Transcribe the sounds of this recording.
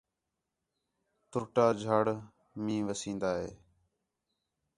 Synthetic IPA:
t̪ʊʈaːd͡ʒʱaːɽ | mĩːʋəsĩːnd̪aːɦḛː

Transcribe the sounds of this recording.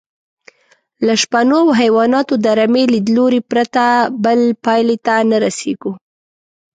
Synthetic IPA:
laʃpanowɦajwɑnɑt̪od̪aɾamelid̪loɾipɾat̪abəlpɑjlet̪anaɾasḛɡu

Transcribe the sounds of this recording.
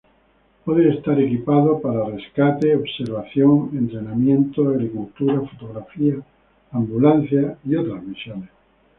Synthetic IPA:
poðeest̪aɾe̞kipaðopaɾare̞skat̪e̞oβse̞ɾβ̞aθjo̞ŋe̞nt̪ɾe̞namjẽ̞nt̪oaɣɾikult̪uɾafot̪oɣ̞ɾafiaː | mbulan̟θjaio̞t̪ɾazmisjones

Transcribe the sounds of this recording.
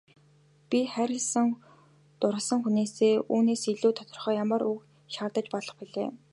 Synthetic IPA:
pʲiχæɾʲɪ̆ɮsə̆ŋ | t̪ʊɾə̆sə̆ŋxuneːseːuːneːsiɮuːt̪ʰɔ̥t̪ɞ̆rχœːjamə̆ruk | ʃaːrt̪ə̆t͡ɕpɔɮɞ̆χpiɮeː

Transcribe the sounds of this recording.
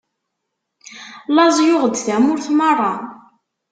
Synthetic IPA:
lɑzˤjʊʁəd̪θæmʊɾθmɑrˤːɑ

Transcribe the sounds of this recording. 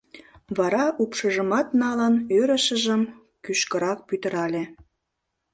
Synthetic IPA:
βɑɾɑʔupʃəʒəmɑt̪nɑlənøɾəʃəʒəm | kyʃkəɾɑk̚pyt̪ə̆ɾɑlʲe

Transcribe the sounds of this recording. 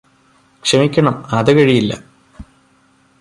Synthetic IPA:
kʂɐmikʲːɐɳɐmɐðɨkɐɻijilːɐ̰

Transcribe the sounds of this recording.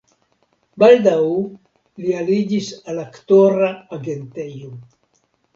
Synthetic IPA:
bald̪aw | lialid͡ʒisalakt̪oɾaːɡent̪ejo

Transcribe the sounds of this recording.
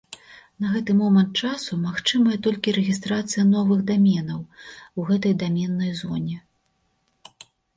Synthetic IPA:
nɐɣɛt̪ɨmɔmɐnt̪̚t͡ʂasumaxt͡ʂɨmɐjɐt̪ɔlʲkʲiɾɛɣʲist̪ɾat̪sɨjɐnɔvɨɣd̪amʲɛnɐwwɣɛt̪̬ɐjd̪amʲɛnːɐjzɔnʲɛ

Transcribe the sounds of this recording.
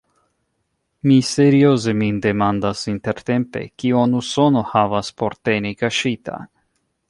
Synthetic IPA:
mise̞ɾioze̞minde̞mand̪asint̪e̞ɾt̪e̞mpe̞̰kionuso̞no̞havaspo̞ɾt̪e̞nikaʃit̪ʰa̰

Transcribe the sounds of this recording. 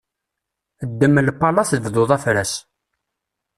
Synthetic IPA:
əd̪ːəmːlpːɑlɑθəvðʊðˤæfɾæs

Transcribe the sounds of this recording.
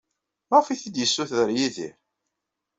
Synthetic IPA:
mæʁfiθid̪jəsːuθðəɾjiðḭɾ

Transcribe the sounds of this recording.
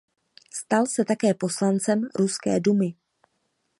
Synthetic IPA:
st̪alsɛt̪akɛːpo̞slant͡sɛmɾuskɛ̰ːdumɪ

